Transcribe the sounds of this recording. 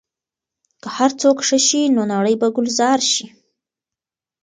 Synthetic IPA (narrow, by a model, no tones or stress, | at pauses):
kəhaɾt͡sokʂəʃinonaɽəjbaɡʊlzɑɾʃi